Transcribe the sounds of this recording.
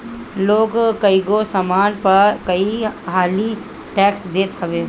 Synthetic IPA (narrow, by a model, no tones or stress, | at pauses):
loːɡkɐiɡoːsamaːnpɐɾkɐiɦaːli | ʈɛːksd̪eːt̪ɐʋeː